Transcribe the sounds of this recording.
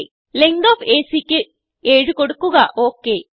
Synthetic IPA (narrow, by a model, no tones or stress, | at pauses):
leŋɡoːpʰeːsiːki | eːɽukoɽukːuɡaːʔoːkeː